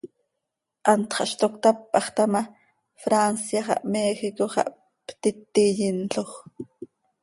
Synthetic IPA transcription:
ʔɑnt̪χɑʔʃt̪okt̪apːʔɑχt̪ama | fɾansjaχɑ̰ʔmeːxikoχɑ̰ʔ | pt̪it̪ːijint͡ɬoχ

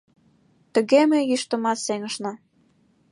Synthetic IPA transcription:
t̪ə̆ɣemejyʃt̪ə̆mɑt̪seŋə̆ʃnɑ

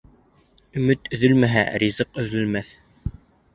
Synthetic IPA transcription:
ɵ̆mɵt̪ɵ̆ðɵlmæɦæ̰ɾʲizɤqɵ̆ðɵ̆lmæθ

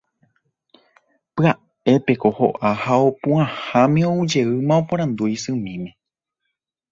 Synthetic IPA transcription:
pɨa | e̞pe̞ko̞ho̞̰ʔahaopũãhãmẽoud͡ʒe̞ɨmãopõɾ̃ãnd̪ujisɨ̃mĩmẽ̞

